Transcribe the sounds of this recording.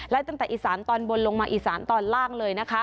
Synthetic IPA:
lɛ˦˥t̪a˥˩ŋt̪ɛː˨˩ʔiː˨˩saː˩˦nt̪ɔː˧nbo˧nlo˧ŋmaː˧ʔiː˨˩saː˩˦nt̪ɔː˧nlaː˥˩ŋlɤː˧jna˦˥kʰa˦˥

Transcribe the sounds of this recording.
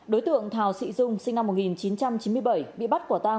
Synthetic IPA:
ɗo˨˦jt̪ɨ̰˧˨əŋt̪ʰaː˨˩wsḭ˧˨zʊ˧ŋ͡msï˧na˧mːo˨˩t̚ŋi˨˩nt͡ɕi˨˦nt͡ɕa˧mt͡ɕi˨˦nmɨ˧əjɓə˧˩jɓḭ˧˨ɓa˦˥t̚ku˧˩ət̪aː˧

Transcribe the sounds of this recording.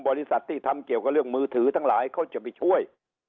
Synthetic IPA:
ŋ͡mɓɔ˨˩li˧˦sa˨˩t̚t̪i˧˩t̪ʰa˧mki˨˩əwkɔː˧˦lɨ˧˩əŋ̚mɨ˧t̪ʰɨ˨˦t̪ʰa˧ŋla̰ː˨˦jxə˧wt͡ɕɨː˨˩ɓḭ˨˧˩hu˧˩əj

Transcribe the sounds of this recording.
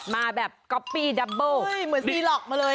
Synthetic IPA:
maː˧bɛː˨˩p̚kɔ˦˥pːiː˧˩da˧bəː˧˩mɯ˨˩˦niː˧lɔː˨˩k̚maː˧ləː˧

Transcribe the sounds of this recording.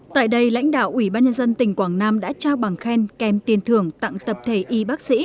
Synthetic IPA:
t̪a̰ː˧˨jɗə˧jla̰˧˥jŋ̟ɗa̰ː˧˨wʔwi˧˩ɓaː˧nɲə˧nzə˧nt̪ï˨˩ŋ̟kwaː˧˩ŋnaː˧mɗa̰ː˧˥t͡ɕaː˧wɓa˨˩ŋxɛ˧nkɛ˨˩mt̪i˨˩ənt̪ʰɨ˨˩əŋt̪a̰˧˨ŋt̪ə˨˩p̚t̪ʰe˧˩ʔi˧ɓaː˦˥k̚sḭ˧˥

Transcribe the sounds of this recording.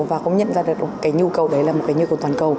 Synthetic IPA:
vaː˨˩kʊ̰˧˥ŋ͡mɲə̰˧˨nzaː˧ɗɨ˨˩ək̚kaː˨˦jɲu˧kə˨˩wɗə˨˦jlaː˨˩mo˨˩t̚kaː˨˦jɲu˧kə˨˩wt̪waː˨˩nkə˨˩w

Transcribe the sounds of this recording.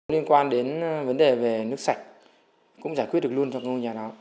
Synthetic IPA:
li˧ənkwaː˧nɗe˨˦nvə˨˦nɗe˨˩ve˨˩nɨ˦˥ək̚sa˨˩jk̟̚ | kʊ̰˧˥ŋ͡mzaː˧˩jkwi˦˥t̚ɗklu˧ənt͡ɕɔ˧ka˦˥o˧ɲaː˨˩ɗɔ˨˦

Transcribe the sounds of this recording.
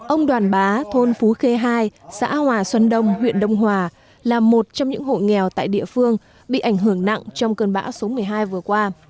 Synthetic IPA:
ʔə˧wŋ͡mɗwaː˨˩nɓaː˨˦t̪ʰo˧nfu˨˦xe˧ɦaː˧jsa̰ː˧˥hwaː˨˩swə˨˦nɗə˧wŋ͡mɦwḭ˧˨ənɗə˧wŋ͡mɦwaː˨˩ | laː˨˩mo˨˩t̚t͡ɕɔ˧ŋ͡mɲɨ̰˧˥ŋɦo̰˧˨jŋɛ˨˩wt̪a̰ː˧˨jɗḭ˧˨əfɨ˧əŋ | ɓḭ˧˨ʔa˧˩jŋ̟ɦɨ˧˩əŋna̰˧˨ŋt͡ɕɔ˧wŋ͡mkəː˧nɓaː˨˦wso˨˦mɨ˨˩əjɦaː˧jvɨ˨˩əkwaː˧

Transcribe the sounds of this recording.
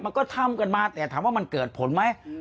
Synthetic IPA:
ma˧nkɔː˥˩t̪ʰa˥˩mka˧nmaː˧t̪ɛː˨˩t̪ʰaː˨˦mwaː˥˩ma˧nkɤː˨˩t̪̚pʰo˨˩˦nma˦˥j

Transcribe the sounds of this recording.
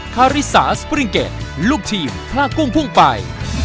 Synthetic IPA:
kʰaː˧ɾi˦˥sa̰ː˩˦spɾi˧ŋkḛ˨˩t̪̚luː˥˩k̚t̪ʰiː˧mpʰlaː˥˩kːu˥˩ŋpʰu˥˩ŋpa˧j

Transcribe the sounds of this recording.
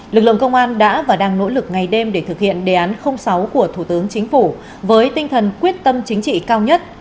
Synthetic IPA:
lɨ˨˩k̚lɨ̰˧˨ə˨ŋkə˧wŋ͡mʔaː˧nɗa̰ː˧˥vaː˨˩ɗaː˧ŋno̰˧˥lɨ˨˩k̚ŋa˨˩jɗe˧mɗe˧˩t̪ʰɨ˨˩k̚hḭ˧˨ənɗe˨˩ʔaː˨˦nxə˧wŋ͡msa˨˦wku˧˩ət̪ʰu˧˩t̪ɨ˨˦əŋt͡ɕï˨˦ŋ̟fu˧˩ | vəː˨˦jt̪ï˧ŋ̟t̪ʰə˨˩nkwi˦˥ət̚t̪ə˧mt͡ɕï˨˦ŋ̟t͡ɕḭ˧˨kaː˧wɲə˦˥t̚

